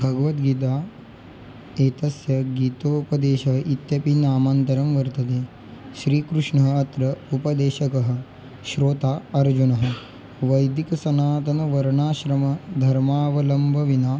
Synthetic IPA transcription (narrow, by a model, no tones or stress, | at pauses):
bʱɐɡɐʋɐt̪ɡiːt̪aː | eːt̪ɐsjɐɡiːt̪oːupɐd̪eːʃɐɦɐʔit̪jɐpinaːmaːnt̪ɐɾɐmʋɐɾt̪ɐt̪eː | ʃɾiːkɾuʂɳɐɦɐ̆ɐt̪ɾɐupɐd̪eːʃɐkɐɦɐ̆ | ʃɾoːt̪aːɐɾd͡ʒunɐɦɐ̆ | ʋɐjd̪ikɐsɐnaːt̪ɐnɐʋɐɾɳaːʃɾɐmɐd̪ʱɐɾmaːʋɐlɐmbʱɐʋinaː